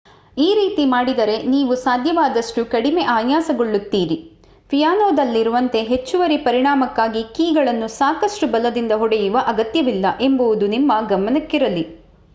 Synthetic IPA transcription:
iːɾiːt̪imaːɽid̪ɐɾe̞niːʋusaːd̪ʱjɐʋaːd̪ɐʂʈukɐɽimeʔaːjaːsɐɡoɭːut̪ːiːɾi | pʰijaːnoːd̪ɐlːiɾuʋɐnt̪e̞ɦe̞t͡ʃːuʋɐɾipɐɾiɳaːmɐkːaːɡikiːɡɐɭɐnːusaːkɐʂʈubɐlɐd̪ind̪ɐɦɔɽɛjuʋɐʔɐɡɐt̪jɐʋilːɐʔe̞mbɐʋud̪unimːɐɡɐmɐnɐkːiɾɐli

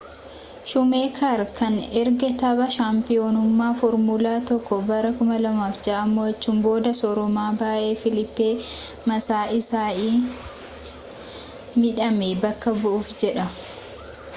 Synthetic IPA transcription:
ʃʊme̞ːkʰaɾkɐnɛɾɡɛt̪ɐbɐʃaːmpɪoːnʊmːaːfɔɾmʊlaːt̪ɔkːɔbɐɾɐkʊmɐlɐmaːfd͡ʒɐʔɐmːoːɐt͡ʃːuːmbo̞ːd̪ɐsɔɾɔmaːbaːʔe̞ːfɪlɪpːeː | mɐsaːʔɪsaːʔiː | mɪᶑɐmebɐkːɐbʊʔʊfd͡ʒɛᶑɐ

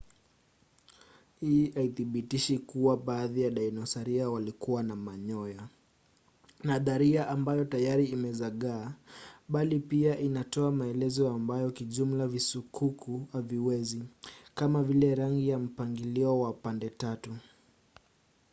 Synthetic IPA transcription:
hiiaiθiɓitiʃikuwaɓaːðijaɗajnɔsaɾiawalikuwanamaɲɔja | naðaɾiaʔambajɔtajaɾiːmɛzaɠaːɓalipiaʔinatɔamaɛlɛzɔambajɔkiʄum̩lavisukʰukʰuaviwɛzikamavilɛɾaŋɡijam̩paŋɡiliɔwapandɛtatu

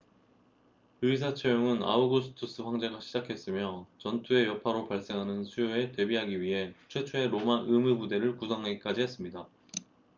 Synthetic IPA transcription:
ɯis̬ʰat͡ɕʰejoŋɯna̰uɡusʰɯ̥tʰus͈ɯɸwaŋd͡ʑe̞ɡaɕʰid͡ʑakʰe̞s͈ɯmjʌt͡ɕʌntʰue̞jʌpʰaɾopaɭs͈e̞ŋɦanɯnsʰujoe̞te̞biɦaɡiɥiɦe̞t͡ɕʰwe̞t͡ɕʰoe̞ɾomaʔɯmɯbude̞ɾɯɭkusʰʌŋɦaɡik͈ad͡ʑiɦe̞s͈ɯmɲida

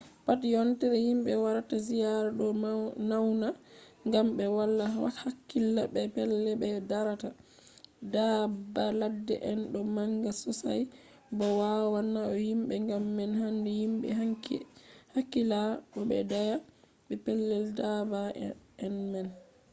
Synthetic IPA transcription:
patjɔntɛɾɛhimɓɛwaɾatasijaɾaɗɔnawna | ŋɡamɓɛwalːaa̰hakːilːabɛpɛlːɛɓɛdaɾata | dabaladːɛ̰ʔɛnɗɔmaŋɡasɔsa̰j | bɔwawanːaɔhimɓɛŋɡamːɛnhandɛjimɓɛ̰akhakːilaɗɔɓɛ̰daja | bɛpɛlːɛldabaɛnmɛn

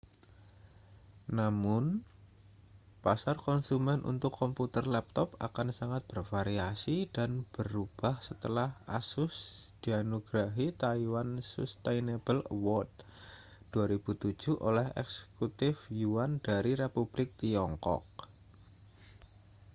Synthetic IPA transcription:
namʊn | pasarkɔnsumɛnʔṵnt̪ʊkːɔmput̪ərlɛp̚t̪ɔpa̰kansaŋat̪̚b̥ərfaɾiasid̥anb̥ərub̥ahsət̪əlahʔa̰sʊsd̪̥ianoɡɾaɦit̪aiwansust̪ejnebələwɔt̪̚ | d̥uaɾib̥ut̪u̥d͡ʒ̥uʔo̰lɛhɛ̰ksə̥kut̪ɪfjuand̥aɾiɾepub̥lɪk̚t̪iɔŋkɔ̰k̚

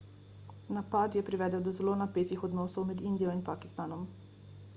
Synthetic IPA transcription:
napad̪jɛpɾiʋɛːd̪əwd̪ɔzɛloːnapeːt̪ixɔd̪nɔːsɔwmɛd̪ind̪ijɔinpaki̥st̪anɔm

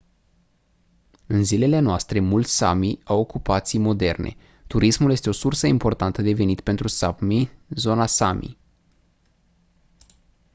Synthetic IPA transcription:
ɨnzile̞le̞noast̪ɾe̞mult̪sʲsa̰miawokupat̪sijmo̞d̪e̞rnʔe̞̰ | t̪uɾismulje̞st̪e̞o̞sursəimpo̞rt̪ant̪əd̪e̞ve̞nit̪pe̞nt̪ɾusamizo̞nasamʔḭ

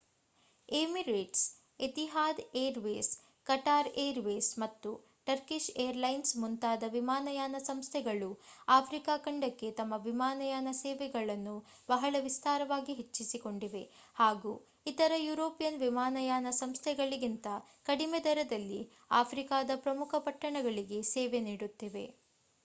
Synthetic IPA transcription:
eːmiɾeːʈs | et̪iɦaːd̪eːɾʋeːs | kɐʈaːɾeːɾʋeːsmɐt̪ːu | ʈɐɾkiʃejɐɾlɐjnsmunt̪aːd̪ɐʋimaːnɐjaːnɐsɐmst̪ʰɛɡɐɭuaːpʰɾikaːkɐɳɖɐkːe̞t̪ɐmːɐʋimaːnɐjaːnɐsɛːʋɛɡɐɭɐnːu | bɐɦɐɭɐʋist̪aːɾɐʋaːɡiɦet͡ʃːisiko̞ɳɖiʋe̞ | haːɡuː | it̪ɐɾɐjuːɾoːpijɐnʋimaːnɐjaːnɐsɐmst̪ʰɛɡɐɭiɡint̪ɐkɐɽimɛd̪ɐɾɐd̪ɐlːi | aːpʰɾikaːd̪ɐpɾɐmukʰɐpɐʈːɐɳɐɡɐɭiɡe̞sɛːʋeniːɽut̪ːiʋe̞̰

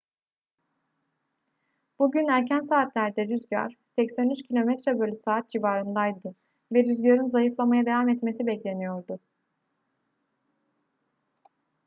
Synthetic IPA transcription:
b̥uɟynæɾcʰænsaːt̪lʲæɾd̪ɛɾyzɟa̰ɾ̥sɛcsænyt͡ʃcʰilʲo̞mɛt̪ɾɛbølʲysaːat̪̚d͡ʒivaːɾɯnd̪ajd̪ɯ | vɛɾyzɟaɾɯnzajɯflˠamajad̪evamɛt̪me̞sibɛclʲe̞nijo̞ɾd̪ʊ

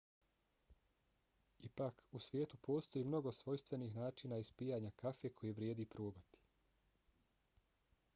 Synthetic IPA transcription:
ipaːkusʋje̞ːt̪upo̞ːst̪o̞jiːmno̞ɡo̞sʋo̞jst̪ʋe̞nixnaːt͡ʃiːnaispiːjaɲakafekʰo̞jeʋɾjeːd̪ipɾuːbat̪i̥

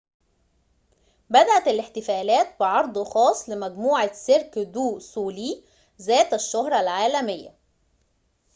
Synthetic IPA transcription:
bæd̪æʔæt̪ælɪħt̪ɪfæːlæːt̪̚bɪʕɑɾˤd̪ˤxɑːsˤːlɪmæɡmuːʕaseɾkd̪uːsuːliː | zæːt̪æʃːohɾˤɑlʕaːlæmejːæ̰

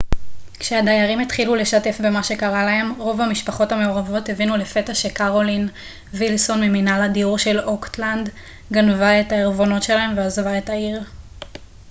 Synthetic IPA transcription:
kʃeadajaʁimet̪χilule̞ʃate̞fbe̞maʃe̞kaʁalaɦe̞mʁo̞vamiʃpaχo̞tame̞oʁavo̞tevinule̞fe̞taʃekaʁo̞lin | vilso̞nmeminaladiuʁʃe̞lo̞kt̪land̪ | ɡanvae̞taeʁvo̞no̞tʃe̞laɦe̞mveazvae̞taiʁ

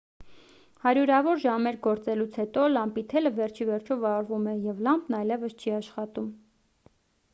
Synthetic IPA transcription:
hɑɾjuɾɑvɔɾʒɑmɛɾɡɔɾt͡sɛlut͡sʰhɛt̪ɔlɑmpit̪ʰɛləvɛɾt͡ʃʰivɛɾt͡ʃʰɔvɑɾvumɛjɛvlɑmpnɑjlɛvəst͡ʃʰiɑʃχɑt̪um

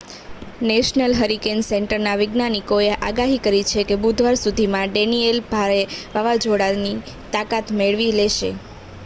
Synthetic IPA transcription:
neʃnəlɦəɾikensɛɳʈəɾnaʋɪɡnanikoeʔaɡaɦikəɾit͡ʃʰekebud̪ʱʋaɾsud̪ʱimãɖenielbʱaɾeʋaʋad͡ʒʱoɽani | t̪akat̪meɭʋileʃḛ

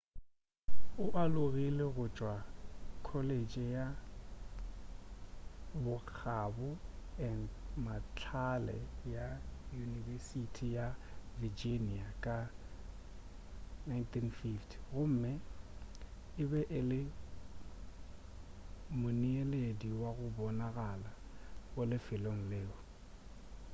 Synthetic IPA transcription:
ʊʔalʊɣileɣʊt͡ʃʼwakʰɔled͡ʒʼɪja | bʊk͡xʰabʊɛndmat͡ɬʰalɛ̰jajunivɛsitʰijavid͡ʒiniakʼa | najntʰinfiftʰɣʊm̩ːmɪ | ɪbɛʔɪlɪ | mʊnielediwaɣʊbɔnaɣalaɣʊlɪfɪloŋ̩leːʊ

